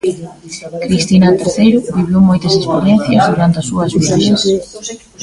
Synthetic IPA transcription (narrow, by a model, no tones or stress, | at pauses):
kɾist̪inɐt̪eɾθejɾʊβiβjomɔjt̪ɐsespoljɛnθjɐzðuɾant̪eɐsuɐzmueʎes